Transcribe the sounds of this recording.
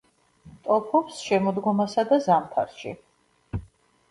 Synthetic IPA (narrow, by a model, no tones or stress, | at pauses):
t̪ʼɔpʰɔpsʃɛmɔd̪ɡɔmasad̪azamt̪ʰa̰ɾʃḭ